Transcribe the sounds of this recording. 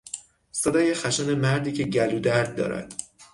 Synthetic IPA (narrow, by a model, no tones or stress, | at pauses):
sed̪ɒːjexæʃænemæɾd̪iːcʰe̞ɟæluːd̪æɾd̪̚d̪ːɒ̰ːɾæ̰d̪̥